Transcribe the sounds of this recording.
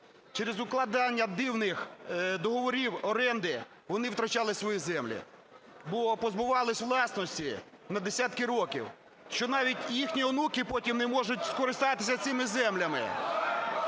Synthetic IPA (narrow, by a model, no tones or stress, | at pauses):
t͡ʃeɾezʊklˠɐd̪ɑnʲːɐd̪iwnɪxd̪ɔɦɔʋɔɾʲiwɔɾɛnd̪ɪ | ʋɔnɪwt̪ɾɐt͡ʃɑlˠɪsʋɔjizɛmlʲḭ | bɔpɔzbʊʋɑlˠɪsʲʋlˠɑsnɔsʲtʲi | nɐd̪esʲat̪kɪɾɔkʲḭw | ʃt͡ʃɔnɑʋʲitʲjixnʲiɔnukɪpɔtʲimnemɔʒʊt̚ʲskɔɾɪst̪ɑt̪ɪ̥s̬ʲɐsʲɪmɪzɛmlʲɐmɪ̰